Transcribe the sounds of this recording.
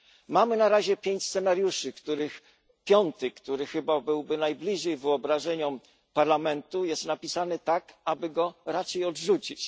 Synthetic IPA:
mamɘnaɾaʑɛpʲjeɲt͡ɕst̪sɛnaɾjuʂɘkt̪uɾɘx | pʲjɔnt̪ɘkt̪uɾɘxɘbabɘwbɘnajblʲiʐɛjvɘɔbɾaʐɛɲɔm | paɾlamɛnt̪ujɛst̪napʲisanɘt̪akabɘɡɔɾat͡ʂɛjɔdʐut͡ɕit͡ɕ

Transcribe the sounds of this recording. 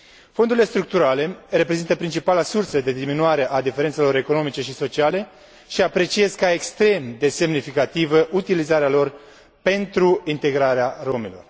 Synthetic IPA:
fo̞nd̪uɾilest̪ɾuk̚t̪uɾale̞re̞pɾezint̪əpɾint͡ʃipalasursəd̪e̞d̪iminuaɾe̞ʔad̪ife̞ɾent̪se̞lo̞ɾe̞ko̞no̞mit͡ʃe̞ʃiso̞t͡ʃiale̞ | ʃiapɾe̞t͡ʃie̞zkae̞kst̪ɾe̞md̪e̞se̞mnifikat̪ivəʔut̪ilizaɾealo̞r | pe̞nt̪ɾuint̪e̞ɡɾaɾearo̞milo̞̰r

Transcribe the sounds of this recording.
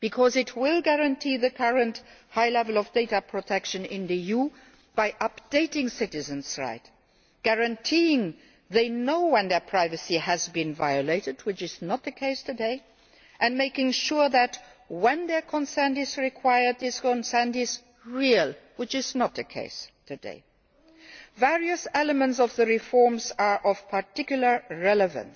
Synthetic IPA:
b̥ikʰɔzɨt̚ʰwɪlˠɡæɹɨ̃ntʰiðɨkʰʌɹə̃nthaɪlɛvəl̩ˠʌvdeɪtəpʰɹ̥otʰɛkʃɨ̃nɪ̃nðiju | b̥aɪʔʌpd̥eɪtɪ̃ŋsɪɾɨzɨ̃nzɹa̰ɪt | ɡ̥æɹɨ̃ntʰiɪ̃ŋ | ðeɪnoʊwɛ̃nðə˞pʰɹ̥aɪvɨsiɨzbĩnva̰ɪɨleɪtɨd̚wɨt͡ʃɨznət̪̚ðɨkʰeɪstʰɨdeɪ | ʔɨ̃nmeɪkɪ̃ŋʃʊɹðɨt̚wə̃nðə˞kʰə̃nsə̃˞ndɪzɹɪkʰw̥aɪə˞d̪̚ðɪskə̃nsə̃˞ndɪz | ɹilˠwɨt͡ʃɪznət̪̚ðɨkʰḛɪstʰɨdḛɪ | væɹiɨsɛləmə̃ntsʌvðɨɹɪfɔɹmzə˞ʔʌv̥pʰə˞tʰɪkjl̩ˠə˞ɹɛləvə̰̃ns

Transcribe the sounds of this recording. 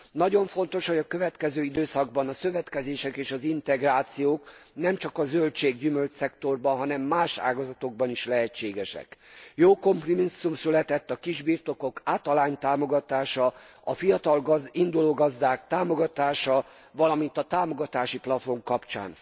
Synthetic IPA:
nɒɟo̞ɱfo̞nt̪o̞ʃhoɒkø̞vɛt̪kɛzøːid̪øːsɒɡbɒnɒsø̞vɛt̪kɛzeːʃɛkeːʃɒzint̪ɛɡraːt̪sijoːknɛmt͡ʃɒkɒzølt͡ʃeːɡɟymølt͡ʃsɛkt̪o̞rbɒnɦɒnɛmːaːʃa̰ːɡɒzɒt̪o̞ɡ̚bɒniʃlɛɦɛt͡ʃːeːɡɛʃɛ̰kjoːko̞mpromisːumsylɛt̪ɛt̪ːɒkiʒbiːrt̪o̞ko̞kaːt̪ɒlaːɲt̪aːmo̞ɡɒt̪aːʃɒ | ɒfijɒt̪ɒlind̪uloːɡɒzd̪aːkt̪aːmo̞ɡɒt̪aːʃɒ | vɒlɒmint̪ɒt̪aːmo̞ɡɒt̪aːʃiplɒfo̞mkɒpt͡ʃa̰ːn

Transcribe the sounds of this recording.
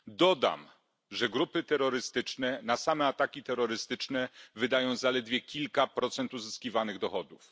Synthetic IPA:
d̪ɔd̪a̰m | ʐɛɡɾupɘt̪ɛɾːɔɾɘst̪ɘt͡ʂnɛnasamɛat̪akʲit̪ɛɾːɔɾɘst̪ɘt͡ʂnɛvɘd̪ajɔ̃w̃zalɛd̪vʲjɛkʲilkapɾɔt̪sɛnt̪uzɘskʲivanɘɣd̪ɔxɔd̪uf

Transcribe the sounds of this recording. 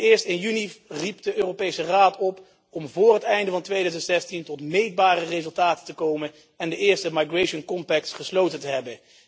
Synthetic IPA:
ɪːɹstɪnjyniripdəøːropejsəraːtɔp | ɔmvʊːɹrɦətɛjndəvɑntʋejdœɥzəntsɛstintɔtmejd̚baːrərezɵlˠtaːtəntəkowmən | ɛndəʔɪːɹstəmajɡrejʃənkɔmpɛk̚tsχəslowtəntəɦɛbən

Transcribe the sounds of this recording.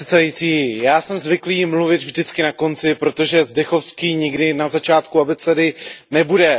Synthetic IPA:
ɛt̪sɛdajiːt͡siːjaːsɛmzvɪkliːmluvɪt̪vʒdɪt͡skɪnako̞nt͡sɪpɾo̞t̪o̞ʒɛzdɛxo̞fskiːɲɪɡdɪnazat͡ʃaːt̪kuabɛt͡sɛdɪnɛbudɛ

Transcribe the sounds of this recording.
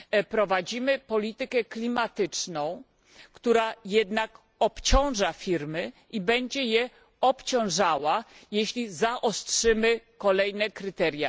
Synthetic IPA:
pɾɔvad͡ʑimɘpɔlʲit̪ɘkɛklʲimat̪ɘt͡ʂnɔ̃w̃ | kt̪uɾajɛd̪nak | ɔpt͡ɕɔ̃w̃ʐafʲiɾmɘʔibɛɲd͡ʑɛjɛ | ɔpt͡ɕɔ̃w̃ʐawajeɕlʲizaʔɔstʂɘmɘkɔlɛjnɛkɾɘt̪ɛɾʲja̰

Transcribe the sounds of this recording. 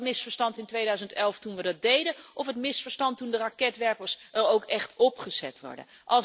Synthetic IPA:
mɪsfəɹstɑntɪntʋejdœɥzəntɛlˠftunʋədɑt̚dejdənʔɔfɦətmɪsfəɹstɑntundərɑkɛtʋɛɹpəɹsəɹowkɛχtɔpχəz̥ɛtʋɔ̰ɹdə̰n | ʔɑlˠ

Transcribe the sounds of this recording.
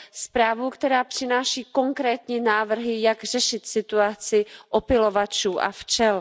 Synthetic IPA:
spɾaːvukt̪ɛɾaːpr̥ɪnaːʃiːko̞ŋkɾɛːt̪ɲɛnaːvr̩ɦɪjaɡr̝ɛʃɪt̪sɪt̪uat͡sɪʔopɪlo̞vat͡ʃuːʔa̰ft͡ʃɛl

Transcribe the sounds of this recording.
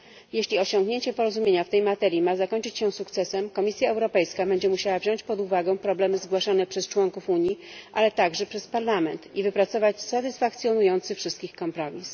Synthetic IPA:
jeɕlʲiɔɕɔŋɡɲeɲt͡ɕɛpɔɾɔzumʲjeɲaft̪ɛjmat̪ɛɾʲjimazakɔɲt͡ʂɘt͡ɕɕɛw̃sukt̪sɛsɛmkɔmʲisʲjaɛwɾɔpɛjskabɛɲd͡ʑɛmuɕawavʑɔɲt͡ɕpɔd̪uvaɡɛ̃w̃pɾɔblɛmɘzɡwaʂanɛpʂɛst͡ʂwɔŋkufuɲjiʔalɛt̪aɡʐɛpʂɛspaɾlamɛnt̪ivɘpɾat̪sɔvat͡ɕsat̪ɘsfakt̪sʲjɔnujɔnt̪sɘfʂɘst̪kʲixkɔmpɾɔmʲis

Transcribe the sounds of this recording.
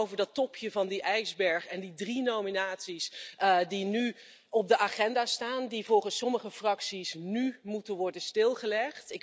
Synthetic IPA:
owvəɹdɑtɔpʰjəvɑndiʔɛjzbɛɹχɛndidrinowminaːtsisdiny | ɔb̚dəʔaːχɛndaːstaːndivɔlˠχənsːɔməχəfrɑksisnymutənʋɔɹdənstɪlˠχəlɛχtɪk

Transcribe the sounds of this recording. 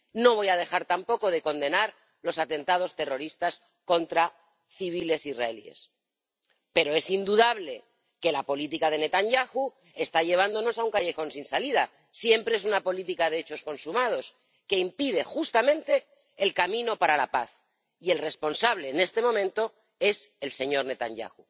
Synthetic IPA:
no̞β̞o̞jað̞e̞xaɾt̪ampo̞ko̞ð̞e̞ko̞nd̪e̞naɾ | lo̞sat̪e̞nt̪að̞o̞st̪e̞ro̞ɾist̪as | ko̞nt̪ɾa | θiβ̞ile̞sizra̰e̞lḭḛs | pe̞ɾo̞e̞sind̪uðaβle̞ | ke̞lapo̞lit̪ikaðe̞ne̞t̪aɲʝaxu | e̞st̪aʎe̞β̞and̪o̞no̞sauŋkaʝe̞xo̞nsinsaliða | sje̞mpɾe̞es̬unapo̞lit̪ikaðeet͡ʃo̞sko̞nsumað̞o̞s | ke̞impiðe̞xust̪amẽ̞nt̪e̞ː | lkamĩno̞paɾalapaθ | ie̞lre̞spo̞nsaβle̞ːne̞st̪e̞momẽnt̪o̞ | e̞se̞lse̞ɲo̞ɾne̞t̪a̰ɲɟa̰xu

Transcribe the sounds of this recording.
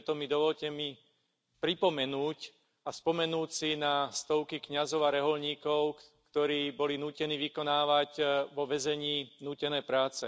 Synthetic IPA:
t̪ɔmid̪ɔʋɔʎcɛmi | pɾipɔmɛnuːc | aspɔmɛnuːcsinast̪ɔʊkikɲazɔʊaɾɛɦɔlɲiːkɔʊkt̪ɔɾiːbɔlinuːcɛniːʋikɔnaːʋaɟʋɔʋɛzɛɲiːnuːcɛnɛːpɾaːt͡sɛ̰

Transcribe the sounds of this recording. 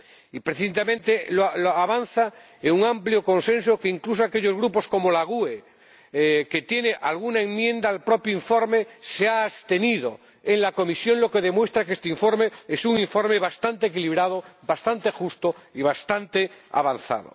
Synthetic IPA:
ipɾeθint̪emẽnt̪eloloaβan̟θa | eŋuŋãmpljoko̞nse̞ns̬okeiŋklus̬oake̞ʎozɣɾupo̞sko̞molaɣ̞ue | ke̞t̪je̞neʔalɣunaeŋmjẽ̞nd̪aːlpɾo̞pjoiɱfo̞ɾmeseaːst̪e̞niðo | enlako̞misjo̞nlo̞ke̞ðemwe̞st̪ɾakest̪eiɱfoɾmeesuŋiɱfo̞ɾmeβast̪ant̪eːkiliβ̞ɾað̞obast̪ant̪e̞xust̪oiβ̞ast̪ant̪ea̰βan̟θa̰ð̞o̰

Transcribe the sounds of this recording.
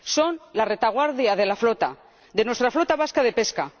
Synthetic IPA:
so̞nlare̞t̪aɣ̞waɾðjaðe̞laflot̪a | d̪e̞nwet̪ɾaflo̞t̪aβaskaðe̞pe̞ska

